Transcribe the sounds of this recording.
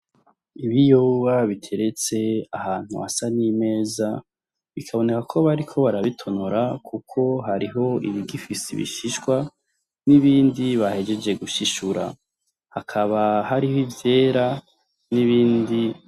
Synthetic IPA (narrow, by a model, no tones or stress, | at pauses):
iβijowaβitʰe̞ɾe̞t͡se̞a̰ɦaːn̥huasanime̞ːza | βikʰaβo̞ne̞kakʰo̞βaɾikʰo̞βaɾaβitʰo̞noɾakʰukʰo̞ɦaɾiɦo̞ḭβiɡifisḭβḭʃiʃkwa | niβiːndiβahe̞d͡ʒe̞d͡ʒe̞ɡuʃiʃuɾa̰ | hakʰaβaɦaɾihoivje̞ːɾa | niβiːndi